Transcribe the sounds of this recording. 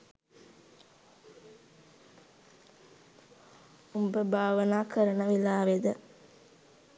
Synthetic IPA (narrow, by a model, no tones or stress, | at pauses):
umbəbʱaːʋənaːkəɾənəʋilaːʋed̪ə